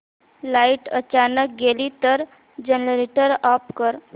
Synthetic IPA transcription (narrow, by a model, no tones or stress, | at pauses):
laiʈət͡ʃanək̚ɡelit̪əɾ | d͡ʒənlɾiʈəɾɔpkəɾ